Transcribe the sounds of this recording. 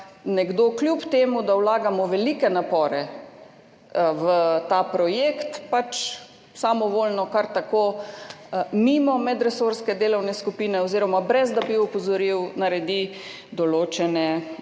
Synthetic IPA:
nɛɡd̪oːkljupt̪eːmud̪awlaːɡamɔʋɛlikɛnapɔːɾɛ | wət̪apɾɔjeːkt̪pat͡ʃ | samɔʋoːlnɔkaɾt̪akoː | mimɔmɛd̪ɾɛsoɾskɛd̪eːlɔwnɛskupiːnɛɔziːɾɔmabɾɛzd̪abiɔpɔzɔɾiwnaɾɛd̪i | d̪ɔloːt͡ʃɛnɛ

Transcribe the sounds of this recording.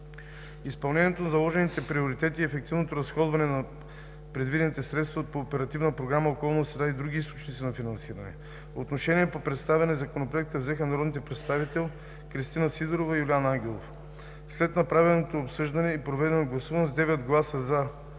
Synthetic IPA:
ispɐlˠnɛnʲiɛt̪onzɐlˠɔʒɛnit̪ɛpɾioɾit̪ɛt̪iɛfɛk̚t̪ivnot̪oɾɐsxɔd̪vɐnɛnɐ | pɾɛd̪vid̪ɛnit̪ɛsɾɛt̪st̪vɐpoːpɛɾɐt̪ivnəpɾoɡɾaməokɔlˠnosɾɛd̪aid̪ɾuɡʲiist̪o̥t͡ʃnit̪sinɐfinɐnsiɾɐnɛ̰ | poːt̪noʃɛniɛpopɾɛt̪st̪avʲɐnɛzɐkonopɾoɛk̚t̪əvzɛxənɐɾɔd̪nit̪ɛpɾɛt̪st̪avit̪ɛlˠ | kɾist̪inəsid̪oɾovəiulʲanaŋɡʲɛlˠo̰f | slɛt̪nɐpɾavɛlˠnot̪oːpsɤʒd̪ɐnɛipɾovɛd̪ɛnoɡlˠɐsuvɐnzd̪ɛvɛt̪ɡlˠasəzɐ

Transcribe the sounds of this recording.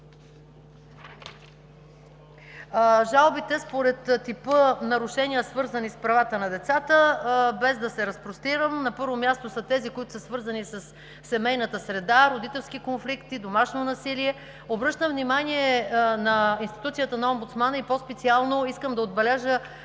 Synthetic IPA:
ʒalˠbit̪ɛspoɾɛt̪t̪ipɤnɐɾʊʃɛniəsvɤɾzənispɾɐvat̪ənɐd̪ɛt̪sat̪əbɛzd̪ɐsɛɾɐspɾost̪iɾəmnɐpɤɾvomʲjast̪osət̪ɛzikoit̪ʊsəsvɤɾzɐnisəsː | ɛmɛjnət̪əsɾɛd̪aɾod̪it̪ɛlˠskikonflikt̪id̪omaʃnonɐsiliɛ | obɾɤʃt̪əmvnimaniɛnɐinst̪i̥t̪ut̪sijət̪ənɐɔmbut̪smanəipɔspɛt̪sialˠnoiskəmd̪ɐod̪bɛlɛʒə

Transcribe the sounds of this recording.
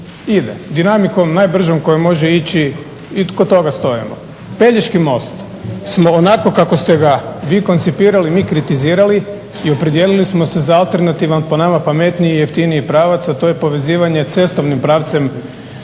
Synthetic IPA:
id̪ḛd̪inamiko̞mnaːjbr̩ʒomko̞jemo̞ʒeit͡ɕi | ikot̪ːo̞ɡast̪o̞ḭmo̰ | pe̞ʎeʃkimo̞st̪ | smo̞ːnako̞kako̞st̪eɡaʋiːko̞nt̪sipiːɾalimiːkɾit̪iziːɾali | io̞pɾed̪jelilismo̞se̞zaalˠt̪e̞ɾnat̪iʋanpo̞namapame̞t̪niijeft̪iniipɾaːʋat̪sat̪o̞ːjepo̞ʋe̞ziːʋaɲe̞t̪se̞st̪oʋnimpɾaːʋt̪se̞m

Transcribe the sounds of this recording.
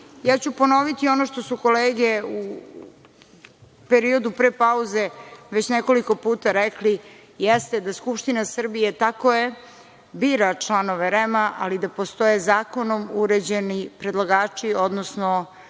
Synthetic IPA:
jaːt͡ɕupo̞no̞ʋit̪io̞no̞ʃt̪o̞suko̞leːɡe̞u | peɾio̞d̪upɾepauzeʋet͡ɕneko̞liko̞puːt̪aɾɛkli | jest̪ed̪askupʃt̪inasr̩bijet̪akoje | biːɾat͡ʂlanoʋeɾemaʔalid̪apo̞st̪o̞jezaːko̞nomuɾed͡ʑenipɾed̪lˠaɡaːt͡ʂio̞d̪nosno

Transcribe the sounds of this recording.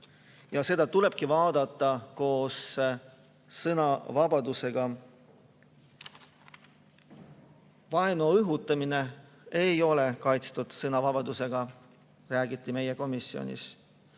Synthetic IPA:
jɑse̞d̪̥ɑt̪ule̞b̥̚kivɑːd̪ɑt̪ˑːɑko̞ːs | sɤnɑvɑbɑd̪use̞ɡ̥ɑ | vɑenoɤɦut̪ˑːɑmine̞ | ejo̞le̞kɑjt̪st̪ud̪̥sɤnɑvɑb̥ɑd̪use̞ɡ̥ɑ | ræːɡit̪ˑːime̞je̞ko̞misːio̞̰nʲḭs

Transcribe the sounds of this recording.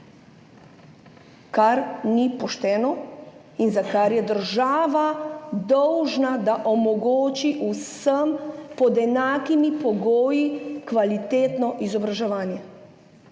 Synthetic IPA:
kaɾnipɔʃt̪ɛːnɔ | inzakaɾjɛd̪əɾʒaːʋad̪ɔwʒnad̪aʔomɔɡoːt͡ʃiʔusəmpɔd̪ɛnaːkimipɔɡoːjikʋalit̪eːt̪nɔʔizɔbɾaʒɛʋaːnjɛ

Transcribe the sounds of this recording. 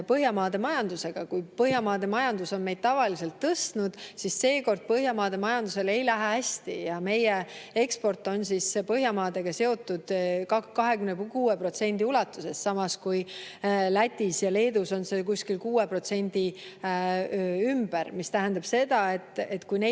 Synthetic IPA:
pɤɦjɑmɑːd̪e̞mɑjɑnd̪use̞ɡ̥ɑkujpɤɦjɑmɑːd̪e̞mɑjɑnd̪̥uso̞nme̞jd̪̥̚t̪ɑvɑlise̞lt̪ːɤst̪nud̪̥sisse̞ːko̞rd̪̥̚pɤɦjɑmɑːd̪̥e̞mɑjɑnd̪use̞le̞jlæɦææsʲt̪ḭjɑme̞jee̞kspo̞rt̪ːˑo̞nsispɤɦjɑmɑːd̪̥e̞ɡ̥ɑse̞o̞t̪ːˑud̪̥kɑkɑɦe̞kymnekuːepro̞t̪se̞nʲd̪̥iulɑt̪ːˑuse̞ssɑmɑskujlæt̪ʲːisjɑle̞ːd̪uso̞nse̞kusʲkilkuːepro̞t̪se̞nʲd̪i | ymb̥æɾmist̪æɦænd̪ɑb̥se̞d̪̥ɑe̞t̪ːˑet̪ːkujne

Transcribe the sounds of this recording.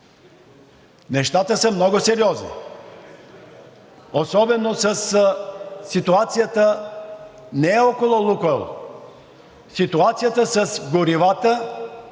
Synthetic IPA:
nɛʃt̪at̪əsəmnɔɡosɛɾiɔznḭ | osɔbɛnosəsː | it̪uat̪sijət̪ə | nɛɛɔkolˠolˠukɛlˠ | sit̪uat̪sijat̪əsəsɡoɾivat̪ə

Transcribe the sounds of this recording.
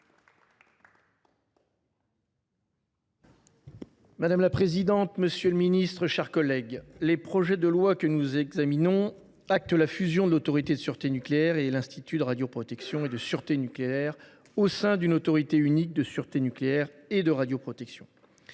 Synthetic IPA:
mad̪amlapχezid̪ɑ̃t̪məsjøləminist̪χəʃɛʁkɔlɛɡlepχɔʒɛd̪əlwakənuzɛɡzaminɔ̃ | ak̚t̪əlafyzjɔ̃d̪əlot̪ɔʁit̪ed̪əsyʁt̪enykleɛʁelɛ̃st̪it̪yd̪əʁad̪jopχɔt̪ɛksjɔ̃ed̪əsyʁt̪enykleɛʁ | osɛ̃d̪ynot̪ɔʁit̪eynik̚d̪əsyʁt̪enykleɛʁed̪əʁad̪jopχɔt̪ɛksjɔ̃

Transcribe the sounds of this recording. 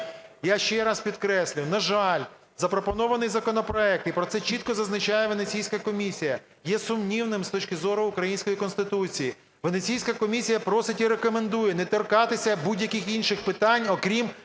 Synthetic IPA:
jaʃt͡ʃɛɾɑspʲid̪kɾɛsʲlʲʊnɐʒɑlʲ | zɐpɾɔpɔnɔʋɐnɪjzɐkɔnɔpɾɔɛk̚t̪ipɾɔt̪sɛt͡ʃit̪̚kɔzɐznɐt͡ʃajɛʋenet͡sʲijsʲkɐkɔmʲisʲijɐ | jɛsʊmnʲiwnɪmst̪ɔt͡ʃʲkɪzɔɾʊʊkɾɐjinʲsʲkɔjikɔnst̪ɪt̪ut͡sʲiji | ʋenet͡sʲijsʲkɐkɔmʲisʲijɐpɾɔsɪtʲiɾekɔmend̪ujɛnɛt̪ɔrkɑt̪ɪsʲɐbudʲjɐkɪxinʲʃɪxpɪt̪ɑnʲɔkɾʲim

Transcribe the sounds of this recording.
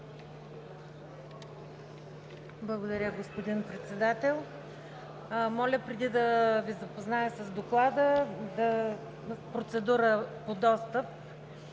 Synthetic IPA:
blˠɐɡod̪ɐɾʲəɡospod̪inpɾɛt̪sɛd̪at̪ɛlˠ | mɔlʲəpɾɛd̪id̪ɐvizɐpoznaəsəzd̪oklˠad̪əd̪ɐ | pɾot̪sɛd̪uɾəpod̪ɔst̪əp̚

